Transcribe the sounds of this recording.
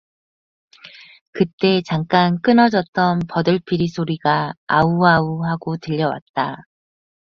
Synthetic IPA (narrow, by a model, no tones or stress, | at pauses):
kɯt͈e̞t͡ɕaŋk͈ank͈ɯnʌd͡ʑʌt̚t͈ʌnpʌdɯɭpʰiɾisʰoɾiɡaa̰uauɦaɡotɯʎːʌwa̰t̚t͈a